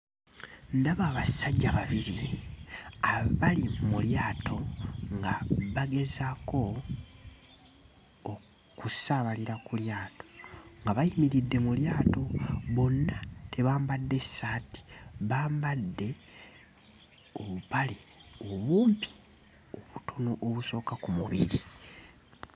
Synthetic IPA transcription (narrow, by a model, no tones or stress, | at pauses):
ndaβaːβasaɟːaβaβiɾi | aβalimuljaːtʰo̞ŋɡaβaɡe̞zako̞ | kusaːβaliɾakuljaːto̞̥ŋɡaβajimiɾidːe̞muljaːto̞βo̞nːate̞βaːmbadːe̞saːti̥βaːmbadːe̞ | oβupali | oβuːmpi̥ | oβutʰonoʔoβuso̞ːkakumuβiɾi